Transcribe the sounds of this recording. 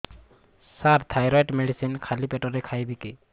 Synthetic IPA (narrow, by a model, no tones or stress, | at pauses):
saɾt̪ʰajɾɔjʈmeɽisinkʰalipeʈɔɾɛkʰajbiki